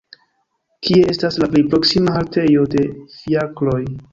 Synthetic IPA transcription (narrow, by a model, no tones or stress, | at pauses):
kʰie̞e̞staslaplejpɾo̞ksimaɦalte̞jo̞de̞fiaklo̞j